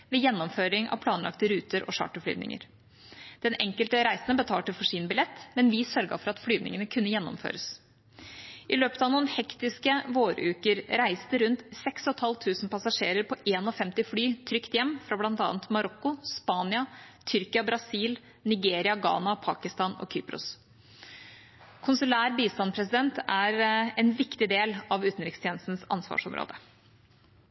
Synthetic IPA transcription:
ʋɛjɛnːɔmføːɾɪŋɑ̰ʋpʰlɑːnlɑ̰kt̪əɾʉːt̪əɾɔ̰ʂɑ̰ːʈəfly̰ːnɪ̰ŋə̰ɾ | d̪̥ɛnɛŋkəlt̪əɾæɪsnəbət̪ʰɑːʈɪlfɔʂiːnbɪlɛt̪ːmɛnʋɪsœɾɡɑ̰fɔɾɑt̪flyːd̪nɪ̰ŋənəkʰʉnːəjɛnːɔ̰mfø̰ːɾəs | ʔɪløːpət̪ɑʋnuːnhɛkt̪ɪskəʋoːɾəʉːkəɾɾæɪst̪əɾʉnt̪sɛksɔt̪hɑlt̪ʰʉːsn̩pʰɑsɑʂḛːɾəɾpʰɔʔeːnɔfɛmt̪ɪflyːt̪ʰɾʏkt̪jɛmːfɾɑblɑnt̪ɑ̰ːnt̪mɑɾɔkːʊspɑːnɪɑt̪ʰʏɾkɪɑbɾɑsiːl | nɪɡeːɾɪɑɡɑ̰ːnɑpʰɑːkɪst̪ɑːnɔ̰kʰyːpɾʊ̰s | kʰʊnsʉlæːɾbiːst̪ɑnpʰɾɛsɪd̪ɛnt̪æɾɛnʋɪkt̪ɪd̪eːlɑʋʉːt̪n̩ɾɪkst̪ʰjeːnst̪n̩sɑ̰nsʋɑ̰ːʂɔ̰mɾʔo̰ːd̪ə

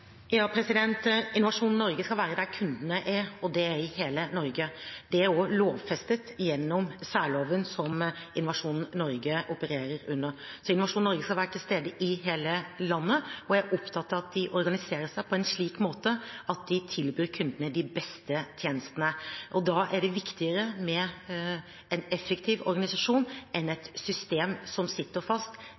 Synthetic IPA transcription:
jɑːpʰɾɛsɪd̪ɛnt̪ɪnʊʋɑʂuːnn̩ːɔɾɡəskɑʋæːɾəd̪æɾkʰʉnd̪nəʔæɾɔd̪ɛæɾɪheːlənɔɾɡəd̪̥ɛæɾɔloːʋfɛst̪ət̪jɛnːɔmsæːɭoːʋənsɔmɪnʊʋɑʂuːnn̩nɔɾɡəʔɔpəɾeːɾəɾʉnːəsɔɪnʊʋɑʂuːnːɔɾɡəskɑlʋæːɾəʈ̪ʰɪlst̪eːd̪əʔɪɦeːləlɑnːəɔjæʔɔpt̪ʰɑt̪ːəɾɑt̪̚d̪ɪʔɔɾɡɑnɪseːɾəʂæɪpʰɔɛnʂɭiːkmoːt̪əɑt̪̚d̪ɪt̪ʰɪlbyːɾkʰʉnd̪ənəd̪ɪbɛst̪ət̪ʰjeːnəst̪ənəʔɔd̪ɑːʔæɖɛʋɪkt̪ɪəɾəmɛ | ɛnɛfːɛkt̪ʰiːʋɔ̰ɾɡɑnɪsɑʂuːnɛnɛt̪sʏst̪eːmsɔmsɪt̪ːəɾfɑst̪

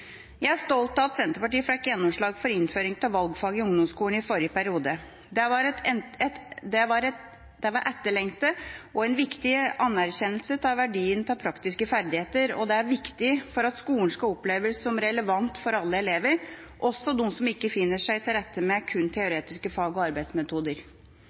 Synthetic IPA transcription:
jæɪæʂt̪ɔlt̪ɑt̪sɛnt̪əpɑʈiːəfɛkːjɛnːɔmʂɭɑːɡfɔɾɪnføːɾɪŋt̪ʰɪlʋɑlɡfɑːɡɪʊŋd̪ɔmskuːlɳ̩ɪfɔɾjəpʰæɾɪuːd̪ə | d̪ɛʋɑɾɛɛt̪d̪ɛʋɑɾɛ | d̪̥ɛʋɑɾʔæʈ̪ːəɭɛŋt̪əʔɔɛnʋɪkt̪ɪɑnːæɾçɛnːəlsət̪ʰɑːʋæɖiːənt̪ʰɑpʰɾɑkt̪ɪskəfæɾd̪ɪheːt̪əɾɔ̰d̪ɛæɾʋɪkt̪ɪfɔɾɑt̪skuːəɳʂkɑɔpleːʋəsɔmɾɛləʋɑnt̪fɔɾɑlːəɛleːʋəɾ | ʔɔsːɔnusɔmɪkːəfɪnːəʂæɪt̪ʰɪlɾɛt̪ʰːəmɛkʰʉnːt̪ʰɛʊɾeːt̪ɪskəfɑːɡɔɑɾbæɪd̪smɛt̪ʰuːd̪əɾ

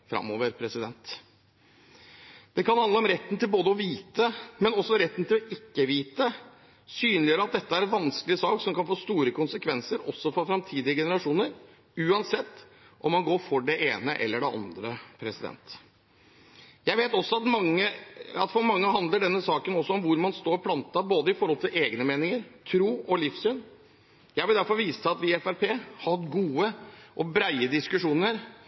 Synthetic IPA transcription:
fɾɑ̰mːoːʋəɾpʰɾɛsɪd̪ɛnt̪ | d̪̥ɛkɑnhɑnd̪əɔmɾɛt̪ːn̩t̪ɪlboːd̪əɔʋiːt̪əmɛnɔsːɔɾɛt̪ːn̩t̪ʰɪlɔʔɪkːəʋiːt̪ə | syːnlɪjøːɾɑt̪̚d̪ɛt̪ːəæɾɛʋɑnsklɪəsɑːksɔmkɑnfoːst̪uːɾəkʊnsəkʰʋɛnsəɾɔsːɔfɔɾfɾɑmt̪ʰiːd̪ɪəɡɛnəɾɑʂuːnəɾ | ʉːɑnsɛt̪ː | ʔɔmːɑnɡoːɾfɔɖɛʔeːnəʔɛ̰lːəɖɛɑ̰nd̪ɾəpʰɾɛsɪd̪ɛ̰nt̪ | jæɪʋeːt̪ɔsːɔɑt̪mɑŋːəɑ̰t̪fɔɾmɑŋːəɦɑnd̪ləɖɛnːəsɑːkənɔsːɔɔmʋʊɾmɑnst̪oːɾpʰlɑnt̪ɑboːd̪əɪfɔɾhɔlt̪ʰɪlʔeːɡnəmeːnɪŋəɾt̪ʰɾuːɔlɪfsyːn | jæɪʋɪld̪æɾfɔɾʋiːst̪ʰəɑt̪ʋɪɛfæɾpʰeːhɑɾɡuːəʔɔbɾæɪəd̪ɪskʉʂuːnəɾ

